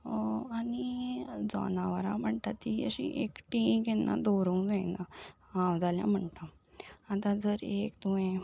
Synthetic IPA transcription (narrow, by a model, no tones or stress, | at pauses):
anid͡zɔ̰naʋəɾa̰m̤əɳʈ̪at̪ːiəɕiʔekʈĩkɛnːa̰d̪oɾũːd͡zajnaãwd͡zalja̰m̤əɳt̪a | at̪ad͡zəɾekd̪ujɛ̃